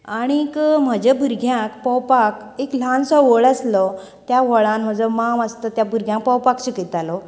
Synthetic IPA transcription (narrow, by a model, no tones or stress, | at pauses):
aɽ̃ikəm̤əd͡ʑebʱuɾɡʱjãkpɔwpak | eklãnsɔʋəɭəslɔ | t̪jaʋɔɭãnm̤əd͡zəmaməst̪ət̪jabʱuɾɡʱjãŋk̚pɔwpakɕikit̪alɔ